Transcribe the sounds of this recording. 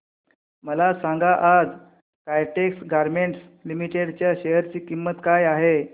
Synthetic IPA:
məlasaŋɡaʔad͡z | kajʈeksɡaɾmeɳʈs | limiʈeɽt͡ɕjaɕejəɾt͡ɕiːkimːət̪kajaɦe

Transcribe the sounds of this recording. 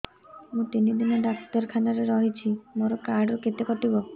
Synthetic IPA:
mũt̪inid̪inɔɖaksʈɔɾkʰanaɾeɾɔɦit͡ʃʰimoɾɔkaɾɖɾɔket̪ekɔʈibɔ

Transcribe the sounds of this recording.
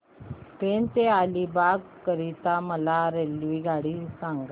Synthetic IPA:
pent̪ealibaɡ | kəɾit̪aməlaɾelʋiɡaɽisaŋɡa

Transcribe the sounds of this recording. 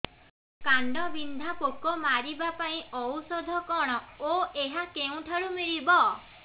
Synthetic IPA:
kaɳɖɔbind̪ʱapokɔmaɾibapaĩɔwsɔd̪ʱɔkɔɽ̃ɔoeɦakeũʈʰaɾumiɾibɔ

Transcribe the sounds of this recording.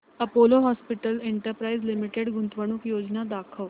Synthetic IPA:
ɐpoːloɦaːspɪʈəleɳʈəɾpɾaːizlimiʈeɖɡʊ̃nt̪ʋəɽ̃ukjoːd͡ʒnad̪aːkʰəʋ

